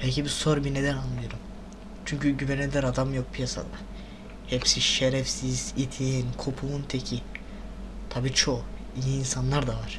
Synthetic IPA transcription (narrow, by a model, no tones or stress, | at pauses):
pʰɛlʲcibisoɾbined̪ɛnanlˠɯjoɾum | t͡ʃʰyɲcyɟyvɛned̪ɛɾad̪amjok̚pʰijasa̰d̪a | hɛpsiʃeɾɛfsiz̥it̪ʰiinkʰopʰuunt̪ʰecʰi | t̪ʰabiːt͡ʃʰo | iniːnsanlˠaɾd̪avaɾ̥